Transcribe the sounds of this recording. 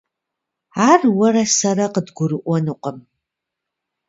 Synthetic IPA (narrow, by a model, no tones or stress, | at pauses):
aːrwɐrɐsɐɾɐqədɡʷʊɾɨʔʷɔnɨqʼəm